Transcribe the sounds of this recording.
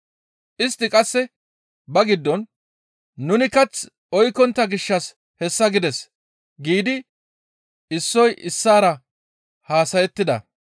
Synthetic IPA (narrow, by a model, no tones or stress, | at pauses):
ʔɪst̪ːɪkʼɐsːɛ | bɐɡɪd̪ːɔnː | ʊnɪkɐt͡s | ɔjkːɔnt̪ːɐɡɪʃːɐs | hɛsːɐɡɪd̪ɛs | ɡiːd̪ɪ | ɪsːɔjʔɪsːaːɾɐ | haːsɐjɛt̪ːɪd̪ɐ̰